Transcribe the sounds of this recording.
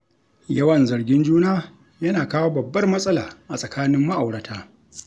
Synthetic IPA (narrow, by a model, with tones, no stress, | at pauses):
jɐ˦wɐ˨nzɐ˨rɡʲɪ˦nd͡ʒuː˦naː˦ | jɐ˦naː˨kaː˦woː˦bɐ˨bːɐ˦rmɐ˦sʼɐ˦laː˨ʔa˨sʼɐ˨kaː˦nɪ˦mːa˦ʔa˨wɽɐ˨tʰaː˦